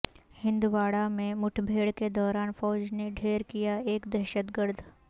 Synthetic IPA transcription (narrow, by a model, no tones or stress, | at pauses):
hɪ̃nd̪uʋaːɽamẽmʊʈʰbʱeːɽked̪ɔːɾaːnfɔːd͡ʒneɖʱeːɾkijaeːkd̪ɛːʃət̪ɡəɾd̪ʱ